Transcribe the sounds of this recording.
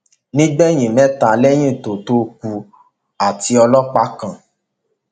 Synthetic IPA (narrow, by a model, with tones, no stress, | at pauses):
nĩ˦ɡ͡bɛ˦˨j̃ĩ˨mɛ̃˨˦ta˨lɛ˦j̃ĩ˦˨to˨to˧ku˧ | a˨ti˧ɔ˧lɔ˦k͡pa˦kã˨